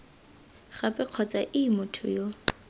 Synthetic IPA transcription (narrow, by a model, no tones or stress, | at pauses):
χapʼɛq͡χʰɔt͡sʼaʔɪmʊtʰʊ̰jo